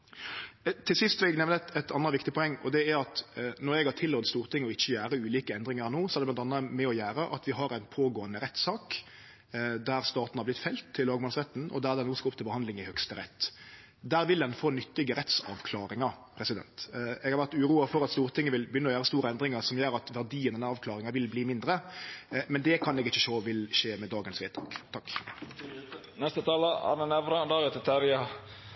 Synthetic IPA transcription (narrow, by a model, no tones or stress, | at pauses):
t̪ʰɪlsɪst̪sɔɛɡnɛʋnəɛt̪ɑnːəʋɪkt̪ɪpʰɔɛŋːɔd̪ɛæɾɑt̪nɔɾɛɡhɑt̪ʰɪlːɔt̪st̪uːɾt̪ʰɪŋɔɪt͡ʃːəjæːɾəʉːliːkəɛnd̪ɾɪŋəɾnoːsɔɛæʁdɛlɑnt̪ɑnəmɛɔjæːɾəʔɑ̰t̪ʋɪɦɑɾæɪnpʰoːɡoːənəɾɛt̪ːsɑːk | d̪æɾst̪ɑːt̪n̩hɑɾblɪt̪fɛlt̪ʰːɪlːɑːɡmɑːlsʁɛt̪ːn̩ʔɔ̰d̪æɾd̪ɛnoːskɑʊpt̪ʰɪlbəhɑnd̪lɪŋɪhœkst̪əɾɛ̰t̪ː | d̪æːɾʋɪld̪ɛnfoːnʏt̪ːɪɡəɾɛt̪sɑ̰ʋkʰlɑːɾɪŋɑpʰɾɛsɪd̪ɛ̰nt̪ɛɡhɑʁʋæʁt̪ʉːʁuːɑfɔɾɑt̪st̪uːʁt̪ɪŋːəʋɪlbjʏnːɔjæːɾəst̪uːɾəɛnd̪ɾɪŋɑʁsɔmjøːɾɑt̪ʋæʁd̪iːənd̪ɛnːæɑːʋkʰlɑːɾɪŋɑʋɪlbliːmɪnd̪ɾə | mɛnd̪ɛkʰɑnɛɡɪçːəʃoːʋɪlʃeːmɛd̪ɑːɡənsʋeːt̪ʰɑ̰ːkt̪ʰɑkː | nɛst̪ət̪ʰɑːləɑ̰nənɛʋɾɑd̪ɑːɡət̪t̪ʰæɾjɑ